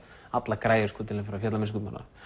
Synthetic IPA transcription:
at̪lakɾaːjɪskʰuːt̪ɪnɪfɪɾafjɛt̪lamɪns̬kut̪ma̰na̰

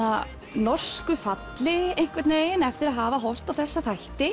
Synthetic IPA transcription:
a | nɔr̥skʏfat̪lɪejŋ̥kvɛt̪neːjɪnɛft̪ɪɾaðɦaːvaɦɔwl̥t̪awθɛsːaθajht̪ɪ

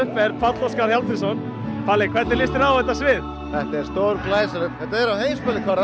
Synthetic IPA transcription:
hpɛɾpʰfat̪lɔskaɾhjalt̪ɪsɔn | faːlɪkʰvɛɾt̪ɛɾlɪst̪ɪɾawðɛht̪ːasvɪð | θɛht̪aɛɾ̥st̪owɾklaːjsaɾʏpθɛt̪aɛɾawhejmspɛlɪkʰvaɾa

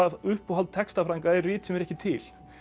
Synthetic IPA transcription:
ʏhpɔɦalt̪̚t̪ʰːɛkst̪afɾaŋkaɛɾrɪːt̪sɛmɛɾɛhcɪt̪ʰɪl

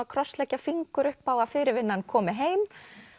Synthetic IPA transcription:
akʰɾɔst̪lɛhcafiŋkʏɾʏhpawafɪɾɪɾvɪnːankʰɔːmɪɦeːjm

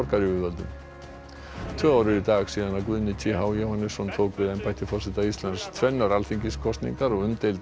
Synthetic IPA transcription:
ɔɾkaɾɪʏðvœlt̪ʏm | t̪ʰvœːaːwɾʏɾit̪aːxsiːðanawkvʏðnɪt͡ɕʰihawjowhanɪsɔnt̪ʰoːwkvɪðɛjnpajht̪ɪfɔrsɪt̪aist̪lanst̪ʰvɛnːaɾalfiɲcɪskʰɔst̪nḭŋkaɾɔɣʏmt̪ejlt̪

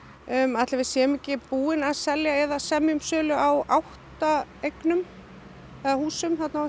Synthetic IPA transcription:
mat̪lɪvɪsjɛːmɪcːɪpuːɪnaðsɛljaɛðasɛmjʏmsœːlʏawawht̪aejknʏm | ɛðahuːsʏmθɛt̪na

